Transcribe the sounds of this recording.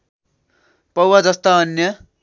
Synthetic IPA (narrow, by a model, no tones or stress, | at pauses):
pʌwad͡zʌst̪ʌʌnjʌ